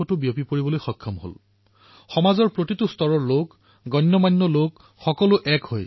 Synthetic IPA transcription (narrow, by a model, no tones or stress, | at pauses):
ɔtʊbiopipoɹibɔlojxɔkʰːɔmɦo̰l | xɔmazɔɹpɹotitustɔɹɔɹlok | ɡɔnːɔmanːɔlok | xɔkɔlʊʔɛkhoj